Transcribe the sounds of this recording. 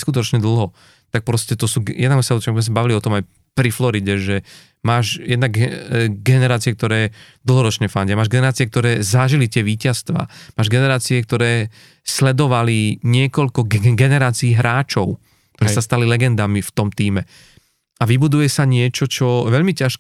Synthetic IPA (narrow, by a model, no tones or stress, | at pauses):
skut̪ɔt͡ʃɲɛd̪l̩ˠɦɔ | t̪ak̚pɾɔscɛt̪ɔsuːɡjɛ̰d̪naɡɛsat͡ʃɔɡzmɛs̬abaʋiliɔt̪ɔmaj | pɾiflɔɾiɟɛʒɛ | maːʃjɛd̪naɡɛɡɛnɛɾaːt͡siɛkt̪ɔɾɛːd̪l̩ˠɦɔɾɔt͡ʃɲɛfaɲɟamaːʒɡɛnɛɾaːt͡siɛkt̪ɔɾɛːzaʒilit̪ɪɛʋiːcast̪ʋa̰ːmaːʒɡɛnɛɾaːt͡siɛk̚t̪ɔɾɛː | slɛd̪ɔʋaliɲɪɛkɔʎkɔɡɡɛnɛɾaːt͡siːɦɾaːt͡ʃɔʊ | kkt̪ɔɾɛːsast̪alilɛɡɛnd̪amift̪ɔmt̪iːmɛ | aʋibud̪ujɛsaɲɪɛt͡ʃɔt͡ʃɔʋɛʎmicaʃ